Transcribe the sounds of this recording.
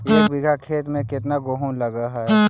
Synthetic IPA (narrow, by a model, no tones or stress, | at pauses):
jeːkbɪɡʱakʰeːt̪mẽkɪt̪naɡoːɦõlɐɡaɦɛ